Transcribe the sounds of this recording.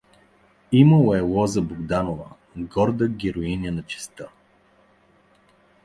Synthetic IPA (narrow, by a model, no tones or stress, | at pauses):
iməwɛlɔzəboɡd̪anovə̰ | ɡɔɾd̪əɡʲɛɾoinʲənɐt͡ʃɛ̥st̪ə